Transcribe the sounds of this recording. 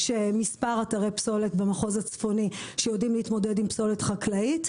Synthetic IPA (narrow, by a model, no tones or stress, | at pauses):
ʃemispaʁataʁepso̞letbemaχo̞zat͡sfo̞niʃejodimlehitmo̞dedimpso̞letχaklait